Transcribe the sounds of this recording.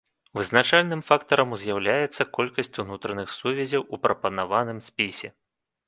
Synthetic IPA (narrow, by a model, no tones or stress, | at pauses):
vɨznat͡ʂalʲnɨmfakt̪ɐɾɐmuzʲjawlʲajɛt̪sːɐkɔlʲkɐsʲt͡sʲunut̪ɾɐnɨxsuvʲɛzʲɐwupɾɐpɐnavanɨmsʲpʲisʲɛ